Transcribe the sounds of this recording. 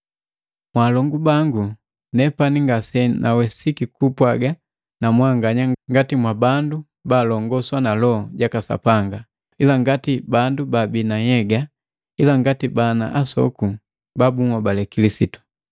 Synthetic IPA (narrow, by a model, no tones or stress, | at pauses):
mwaːlɔŋɡubaŋɡu | nɛpaniŋɡasɛnʔawɛsikikupwaɡa | namwaŋɡaɲaŋɡatimwabandu | baːlɔŋɡɔswanalɔɟakasa̰paŋɡa | ilaŋɡatibandubabinajɛɡa | ilaŋɡatibana̰ʔasɔ̰ku | babuŋwabalɛkilisitu̥